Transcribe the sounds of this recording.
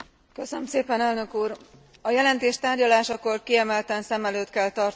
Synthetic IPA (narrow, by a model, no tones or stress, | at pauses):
kø̞sønømseːpɛnɛlnø̞kuːr | ɒjɛlɛnt̪eːʃt̪aːrɟɒlaːʃɒko̞rkiɛmɛlt̪ɛnsɛmɛløːt̪kɛlt̪ɒrt̪